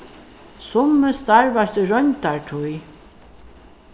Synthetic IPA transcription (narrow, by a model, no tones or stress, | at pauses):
sʊməst̪aɹvast̪əɾœɲt̪aɹʈʰuj